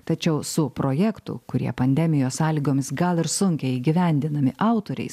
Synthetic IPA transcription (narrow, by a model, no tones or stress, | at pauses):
t̪ɐt͡ʃʲɛʊsʊpɾoːjɛkt̪ʊ̰kʊɾʲḭɛpɐnʲd̪ʲɛmʲɪjoːssɑːlʲiːɡoːmʲɪsɡɐlˠɪɾsʊŋʲkʲɛɪiːɡʲɪʋʲɛˑnʲd̪ʲɪnɐmʲɪʔɑˑʊt̪oːɾʲɛ̰ɪs